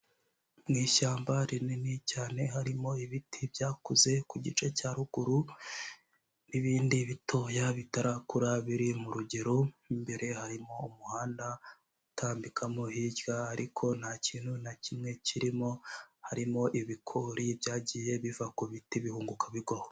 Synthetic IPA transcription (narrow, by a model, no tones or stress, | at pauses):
mŋiːʃaːmbaɾininicaːne̞haɾimo̞iβitʰibjaːkuze̞kuɟit͡ʃe̞caɾuɡ̥uɾu | niβiːndiβito̞ːjaβitaɾakuɾaβiɾimuɾuɟeɾoimbe̞ɾe̞haɾimo̞umuhaːnda | utʰaːmbikʰamohiɟɡaːɾʔikʰo̞nhacʰiːn̥hunacimŋe̞ciɾimo̞haɾimo̞ʔiβikʰoɾibjaːɟiːje̞βivakuβitiβihuːŋɡukaβiɡoho